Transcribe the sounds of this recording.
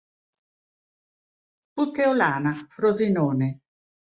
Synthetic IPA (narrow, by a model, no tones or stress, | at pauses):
put̪ːeolaːnafɾozinɔːne